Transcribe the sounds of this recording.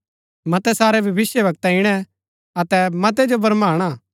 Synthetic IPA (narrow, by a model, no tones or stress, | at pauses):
mɐt̪ɛsaːɾɛbʱɐʋɪsjəʋɐk̚t̪aɪɽ̃ɛ̃ | ɐt̪ɛmɐt̪̬ɛd͡ʒobɐɾmaːɽ̃a